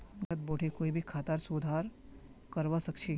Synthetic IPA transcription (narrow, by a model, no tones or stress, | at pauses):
ɡɐt̪̚boːʈʰekoːibʱikʰaːt̪aɾsuːd̪ʱaːɾ | kɐɾʋasɐkʃʰi